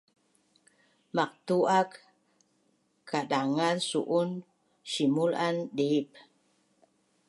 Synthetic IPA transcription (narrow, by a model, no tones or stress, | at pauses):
mak̚t̪uʔak | kʰːadaŋansṵʔun | ʃimulandep̚